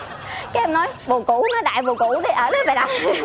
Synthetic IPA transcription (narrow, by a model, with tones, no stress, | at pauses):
kaː˨˦ʔɛ˧mnɔ˨˦jvo˨˩kʊ̰˧˩˥nɔ˨˦ɗa̰ː˧˨jvo˨˩kṵ˧˩˥ɗi˨˧˩ʔəː˧˩lə˨˦ve˨˩ɗa˨˩